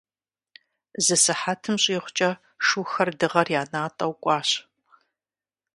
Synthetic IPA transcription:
zɨsɨħatʰɨmɕʼiːχʷt͡ʃʼɐ | ʂuxɐrdɨʁɐrjaːnaːtʼɐwkʷʼɑːɕ

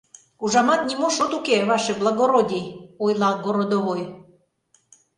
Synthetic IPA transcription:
uʒɑmɑt̪nʲimoʃot̪ukeβɑʃĕblˠɑɣoɾod̪ʲiojlɑɡoɾod̪oβoj

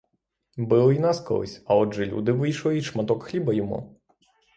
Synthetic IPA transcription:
bɨlˠinaskɔ̰lˠɨ̰sʲɐɔʐɛlʲṵd̪ɪʋɨjʃlˠɔiʂmat̪ɔkxlʲibɐjɔmṵ

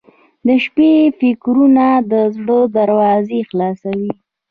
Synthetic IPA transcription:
d̪əʃpefɪkɾunad̪əzɽəd̪aɾwɑzexlɑsawi

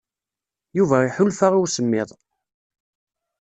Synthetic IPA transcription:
juvæiħʊlfaʁʊɾsəmːɪðˤ

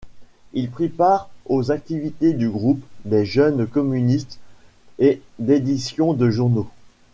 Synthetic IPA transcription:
ilpχipaʁozak̚t̪ivit̪ed̪yɡʁupd̪ɛʒœnkɔmynist̪ | ed̪ed̪isjɔ̃d̪əʒuʁno

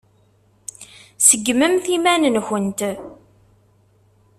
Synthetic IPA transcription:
səɡːməmθimænənçənt̪

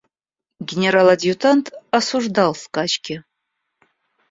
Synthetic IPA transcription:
ɡʲenʲeɾalad̪ijutʰantʰasuʐdalskʼat͡ʃkʲɪ

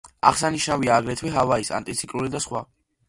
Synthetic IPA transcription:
a̰χsaniʃnaviaːɡɾɛt̪ʰwɛɦavaisa̰nt̪ʼit̪sʰi̥kʼɾulid̪asχwa

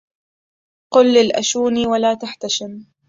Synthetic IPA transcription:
qʊlːɪlʔa̰ʃuːniːwalaːt̪aħt̪aʃɪm

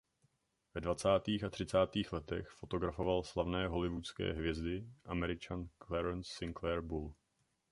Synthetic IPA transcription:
vɛdvat͡saːt̪iːxat̪r̝̥ɪt͡saːt̪iːxlɛt̪ɛ̰xfo̞t̪o̞ɡɾafo̞valslavnɛːɦo̞lɪvut͡skɛ̰ːɦvjɛzdɪʔamɛɾɪt͡ʃanklɛɾɛnsːɪŋklɛɾbul

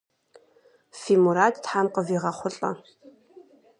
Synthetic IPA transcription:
fiːmuɾaːdtħamqəviːʁɐχʷʊɬʼɐ̰

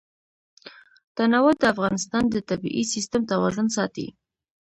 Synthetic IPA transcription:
t̪anawʊd̪̚d̪əafɣɑnɪst̪ɑnd̪ət̪abḭʔisist̪ʊmt̪awɑʒʊnsɑt̪ḭ

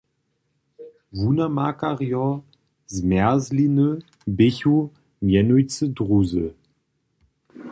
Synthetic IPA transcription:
vunamakaʁjɔ | zmɛɐzlinə | bɪçu | mjɛnujt͡sədʁuzə

